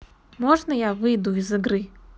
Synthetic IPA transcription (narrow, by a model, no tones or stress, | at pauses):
mɔʐnəjavɨjd̪uizɨɡɾɨ